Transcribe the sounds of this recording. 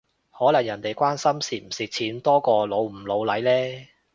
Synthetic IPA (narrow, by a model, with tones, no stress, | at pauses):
hɔː˨˥lɐ˨˩ŋjɐ˨˩nt̪e˨jkʷaː˥nsɐ˥msiː˨˩m̩˨˩sɪ˨k̚t͡sʰiː˨˥nt̪ɔː˥kɔː˧lo˨˧wm̩˨˩lo˨˧wlɐ˨˥jlɛː˥